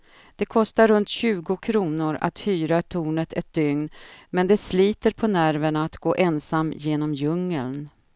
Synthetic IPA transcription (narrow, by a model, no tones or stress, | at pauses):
d̪̥ɛkʰɔst̪aɾɵnt̪ɕʉ̟ːɡʊkʰɾuːnʊɾa̰t̪hyːɾat̪ʰuːnət̪ʰɛt̪̚d̪ʏŋnmɛnd̪ɛsliːt̪əɾpʰɔnæɾvəɳaːt̪ɡoːʔɛnsamːjeːnɔmjɵŋːəln